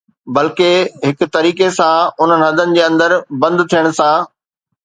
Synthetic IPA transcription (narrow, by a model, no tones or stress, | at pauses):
bɐlkeɦɪkʊ̆t̪ɐɾiːkesãʊn̤ənɪ̆ɦɐd̪ənɪ̆d͡ʑeːɐ̃nd̪əɾbɐ̃nd̪t̪ʰijəɽ̃̆sã